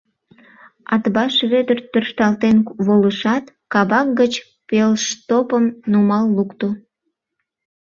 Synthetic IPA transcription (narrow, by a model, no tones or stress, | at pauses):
ɑt̪bɑʃβød̪ərt̪ørʃt̪ɑlt̪enβoləʃɑt̪ | kɑbɑk̚ɡət͡ɕ | pelʃt̪opəmnumɑlːukt̪o